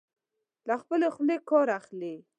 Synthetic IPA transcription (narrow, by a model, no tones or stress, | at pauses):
laxpəlexlekɑɾaxle